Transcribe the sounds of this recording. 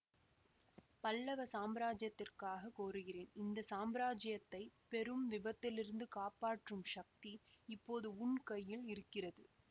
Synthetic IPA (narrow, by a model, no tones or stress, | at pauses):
pɐlːɐʋɐsaːmbɐɾaːd͡ʒjɐt̪ːɪrkaːɣɐkoːɾɯɣɪreːnɪnd̪ɐsaːmbɾaːd͡ʒɐjɐt̪ːɐɪpɛɾɯmʋɪbɐt̪ːɪlɪɾɯnd̪ɯkaːpaːʈrɯmʂɐk̚t̪iɪpːoːðɯʊɳkɐjːɪlɪɾɯkːɪrɐðɯ